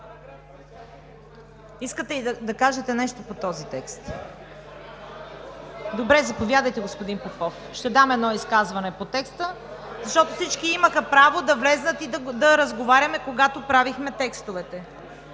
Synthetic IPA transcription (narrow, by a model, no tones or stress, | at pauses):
iskət̪ɛid̪d̪ɐkaʒɛt̪ɛnɛʃt̪opot̪ɔzit̪ɛkst̪ | d̪obɾɛzɐpovʲjad̪əjt̪ɛɡospod̪inpokɔf | ʃt̪ɛd̪amɛd̪nɔiskazvɐnɛpot̪ɛkst̪ə | zɐʃt̪ɔt̪ofsit͡ʃkiiməxɐpɾavod̪ɐvlɛznət̪id̪d̪ɐɾəzɡovaɾʲɐmɛkoɡat̪opɾavixmɛt̪ɛkst̪ovɛt̪ɛ